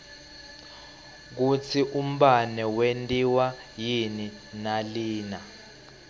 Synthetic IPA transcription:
k̬ut͡sʰiʔum̩ɓanɛwentʼiwa | jini | naliːna

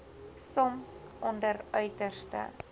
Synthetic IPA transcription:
sɔmsʔɔndərœɥtərstə̰

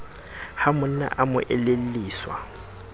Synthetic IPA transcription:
hamʊn̩na̰ʔamʊʔɛlel̩liːswa̰

